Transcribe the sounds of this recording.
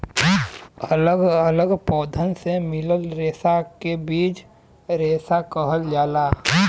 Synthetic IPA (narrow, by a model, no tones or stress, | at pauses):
ələɡələɡpɔːd̪ʱənsemɪləlɾeːsakebiːt͡ʃ | ɾeːsakəɦəld͡ʒaːlaː